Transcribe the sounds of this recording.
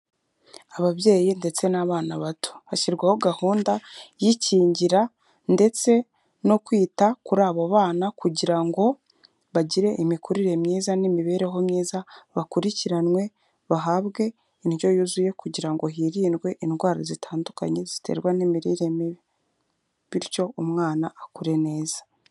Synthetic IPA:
aβaβje̞ːjinde̞t͡se̞naβaːnaβatʰu̥βaciɾɡwaho̞ɡahuːndajiciːɲɟiɾa | nde̞t͡se̞ | no̞kwiːtakuɾaːβoβaːnakuɟiɾaŋɡo̞ | βaɟiɾe̞ʔimikuɾiɾe̞mɲiːzanimiβe̞ːɾe̞ɦo̞mɲiːzaβakuɾiciɾanwe̞ | βaɦaβɡe̞ | inɟo̞juzuje̞kuɟiɾaŋɡo̞ɦiɾiːnɡwe̞ʔinɡwaːɾazitʰaːnduka̰ɲe̞z̥itʰe̞̰ɾɡwanimiɾiɾemiβi | βiɾco̞umŋaːnaːkuɾe̞ne̞ːz̥ḁ

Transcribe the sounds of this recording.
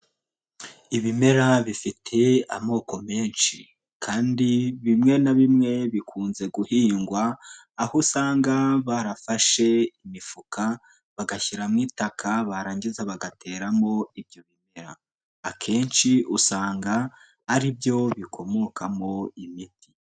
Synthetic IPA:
iβime̞ɾaβifitʰe̞amo̞ːko̞me̞ːnʃi | kʰaːndiβimŋe̞naβimŋe̞βikʰuːnze̞ɡuhiːŋɡwaː | hosaːŋɡaβaɾafaʃe̞imifukʰa | βaɡaçiɾamŋiːtakʰaβaɾaːɲɡizaβaɡatʰe̞ːɾamo̞ibjo̞βime̞ɾa̰ː | kʰe̞ːnt͡ʃiʔusaːŋɡa | haɾibjo̞βikʰo̞mo̞kamo̞imiti̥

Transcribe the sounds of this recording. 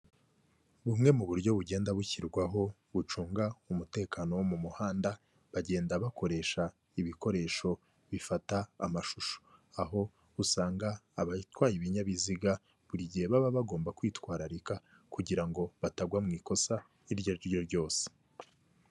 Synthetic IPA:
βumŋe̞muβuɾɟo̞βuɟe̞ːndaβuçiɾɡwaɦo̞ | βut͡ʃuːŋɡaumute̞ːkano̞womumuhaːnda | βaɟe̞ːndaβako̞ɾe̞ʃa | iβiko̞ɾe̞ːʃo̞ | βifata̰ːmaʃuʃo̥aɦo̞ | usaːŋɡaːβatwaːjiβiɲaβiziɡa | βuɾiɟiheβaβaβaɡo̞ːmbakwiːtwaːɾaɾika | kuɟiɾaŋɡo̞βataɡwamŋiːko̞sa | iɾɟoɾjo̞ɾɟo̞ːse̥

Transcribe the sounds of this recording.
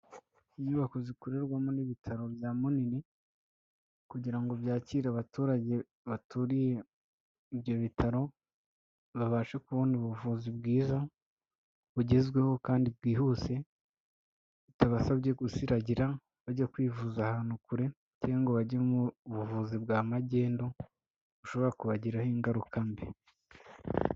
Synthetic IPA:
iɲuβako̞zikuɾe̞ɾɡwamoniβitʰaɾo̞bjaːmonini | kuɟiɾaŋɡo̞βjaːciɾaβatuːɾaɟe̞ | βatuɾije̞ | ibjo̞βitʰaɾo̞ | βaβaːʃekuβuːndiuβuvuzibɡiːza | βuɟe̞zɡwe̞ho̞kaːndib̚ɡiːhuse̞ | βutaβasaβɟe̞ɡusiɾaɟiɾa | βaɟakwiːvuːzahaːn̥ukuɾe̞ | ceaŋɡoβaɟemuβuvuzibɡaːmaɟe̞ːndo̞ | βuʃo̞βo̞ɾakuβaɟiɾahiŋɡaɾukʰambe

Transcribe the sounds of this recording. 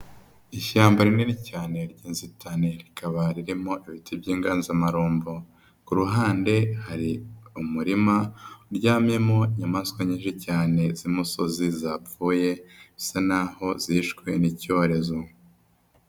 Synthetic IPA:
iʃaːmbaɾineɾicaːne̞ɾɟiːnzitaneɾikʰaβaɾiɾimo̞ʔiβitibɟiːŋɡaːnzamaɾuːmbo | kuɾuɦaːnde̞haɾiumuɾimaɾɟaːmje̞mo̞iɲamaskwaɲiːnʃicaːne̞zimusozizauːje̞isanaho̞ziːʃkwe̞nico̞ɾe̞zo

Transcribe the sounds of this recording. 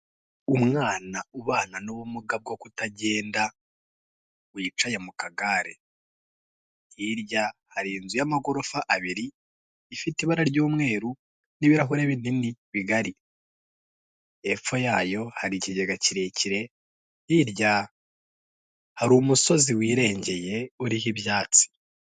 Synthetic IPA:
umŋaːnauβaːnanoβumuɡab̚ɡo̞kutaɟe̞ːnda | wiːt͡ʃajemukaɡaɾḛ | hiɾɟahaɾiːnzujamaɡo̞ɾo̞faʔaβiɾiː | fitiβaɾaɾɟuːmŋe̞ːɾu | niβiɾaɦuɾeβininiβiɡaɾi | e̞fo̞jaːjo̞haɾiciɟeɡaciɾe̞ciɾe̞ | hiɾɟa | haɾuːmuso̞ziwiːɾe̞ːɲɟe̞je̞uɾiɦiβjaːt͡si̥

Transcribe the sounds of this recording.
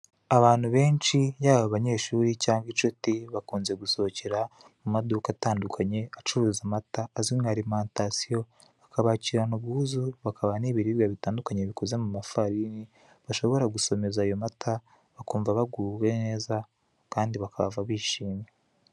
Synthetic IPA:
aβaːn̥huβe̞ːnt͡ʃijaːβaβaɲe̞ʃuːɾicaːŋɡit͡ʃotiβakuːnze̞ɡuso̞ceɾa | mumadukataːndukʰaɲe̞at͡ʃuɾuːzamataːzimɡaɾimaːntasijo̞ | βakaβaːciɾanuβɡuːzuβakaβaniβiɾiβɡaβitaːndukaɲe̞βikoze̞mumafaɾini | βaʃo̞βo̞ɾaɡuso̞me̞zaːjo̞matʰa | βakuːɱvaβaɡuwene̞ːza | kaːndiβakaβa̰vaβiːʃiːmje

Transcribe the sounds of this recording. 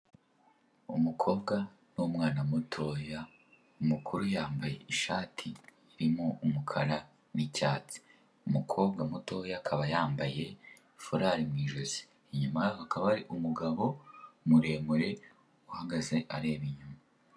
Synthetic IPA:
umukʰo̞ːbɡa | numŋaːnamutʰoja | umukʰuɾujaːmbaje̞iʃaːtʰiː | ɾimoumukʰaɾa | nicaːt͡si̥ | umukʰo̞ːb̚ɡamuto̞jaːkʰaβajaːmbaje̞ | foɾaːɾimŋiːʒozi̥ːɲumajaakaβaɾiʔumuɡaβo̞muɾe̞ːmuɾe̞ | uhaɡaze̞ʔaɾe̞ːβiɲuma

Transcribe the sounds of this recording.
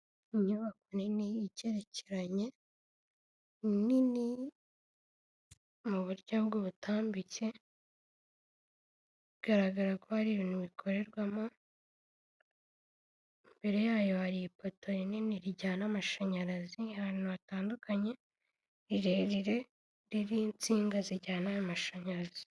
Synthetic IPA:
iɲuβakoninijice̞ɾe̞cʰeɾaɲe̞ | inini | muβuɾɟabɡoβutʰaːmbice̞ | iɡaɾaɡaɾakohaɾiːβiːn̥uβikʰo̞ɾe̞ɾɡwamo | mbe̞ɾe̞jaːjo̞haɾipotʰo̞ɾininiɾiɟaːnamaʃaɲaɾazihaɾinoβataːndukʰaɲe̞ | ɾiɾeɾiɾe̞ | ɾiɾint͡siːŋɡaziɟaːnajomaʃaɲaɾazi̥

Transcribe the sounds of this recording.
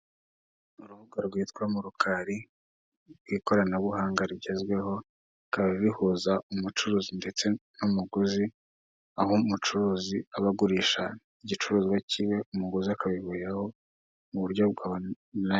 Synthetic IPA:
uɾuhuɡaɾɡwiːt̪kamuɾukʰaɾi | ɾɡwiːko̞ɾanaβuhaːŋɡaɾiɟe̞zɡwe̞ho̞ | kaβiβihuzaumut͡ʃuɾuːzinde̞t͡se̞numuɡuzi | ahomut͡ʃuɾuːziaβaɡuɾiːʃa | iɟit͡ʃuɾuːzwaciwe̞umuɡuziakaβiβujaho̞ | muβuɾɟo̞bɡaβa | na

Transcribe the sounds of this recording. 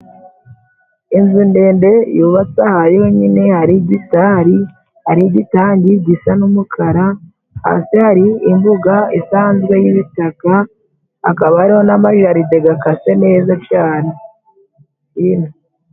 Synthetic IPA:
inzinde̞ːnde̞juːβat͡sahaɾiho̞ɲine̞haɾiɟitaɾi | haɾiɟitaːɲɟiɟisanumukʰaɾa | ha̰sihaɾiːmbuɡaisaːnzɡwe̞jiβitaka | a̰kaβahaɾiho̞namaʒaɾide̞ɡakase̞ne̞ːzakjaːɾa | ina

